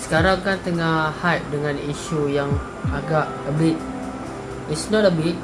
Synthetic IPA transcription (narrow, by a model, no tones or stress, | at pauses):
sə̥kaɾaŋkant̪əŋahhajt̚dəŋãniʃujaŋ | aɡaʔəbit̪̚ | isnɔtəbit̪̚